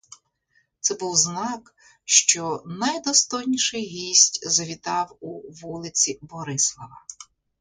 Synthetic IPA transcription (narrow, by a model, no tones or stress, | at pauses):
t̪sɛbuwznɑk | ʃt͡ʃɔnɐjd̪ɔst̪ɔjnʲiʃɪjɦʲisʲtʲzɐʋʲit̪ɑwuʋulˠɪt͡sʲibɔɾɪslˠɔʋɐ